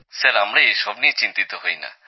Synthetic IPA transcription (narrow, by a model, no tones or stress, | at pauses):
saɾamɾaejʃɔbniet͡ɕint̪it̪oɦojna̰